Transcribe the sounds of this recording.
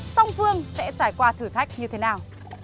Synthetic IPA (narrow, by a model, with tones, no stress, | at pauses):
sa˧wŋ͡mfɨ˧əŋsɛ̰˧˥t͡ɕaː˧˩jkwaː˧t̪ʰɨ˧˩t̪ʰa˦˥jk̟̚ɲɨ˧t̪ʰe˨˦naː˨˩w